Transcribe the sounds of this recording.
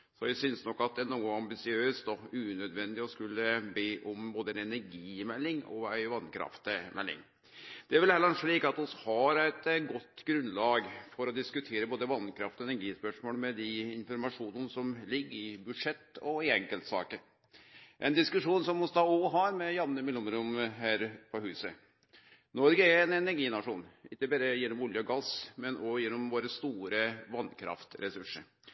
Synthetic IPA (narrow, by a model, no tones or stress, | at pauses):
sɔjæɪsʏnsnɔkːɑt̪̚d̪ɛænuːəɑmbɪsɪøːst̪ɔʉːnœd̪ʋɛnd̪ɪɔskʉlːəbeːʔɔmboːd̪əɛnɛnæɾɡiːmɛlːɪŋɔ̰æɪʋɑnːkʰɾɑ̰ft̪mʔɛ̰lːɪ̰ŋ | d̪̥ɛæɾʋɪlælːəɾnʂɭiːkɑt̪ɔshɑɾæɪt̪ɡɔt̪ːɡɾʉnlɑːɡfɔɾɔd̪ɪskʉt̪ʰeːɾəboːd̪əʋɑnkʰɾɑft̪ɔɛnæɾɡiːspœʂmoːlmɛd̪ɪɪnfɔɾmɑʂuːnənsɔmlɪɡːəɪbʉd̪ʂɛt̪ːɔɪɛŋkəlt̪sɑ̰ːkəɾ | ʔɛ̰nd̪ɪskʉʂuːnsɔmɔst̪ɑɔɦɑɾmɛjɑnːəmɪlʊmɾʊmɦæːɾpʰɔhʉːsə | nɔɾɡəɛɾɛnɛnæɾɡiːnɑʂuːnɪkːəbæːɾəjɛnːɔmɔljəɔɡɑsmɛnɔjɛnːɔmʋoːɾəst̪uːɾəʋɑnːkʰɾɑ̰ft̪ɾɛsʉʂə̰ɾ